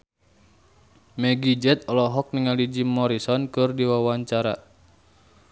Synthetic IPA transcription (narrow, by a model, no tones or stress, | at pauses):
mɛɡid͡ʒɛt̪̚ɔlɔɦɔk̚niŋalid͡ʒimɔɾisɔnkɨrdiwawaɲt͡ʃaɾa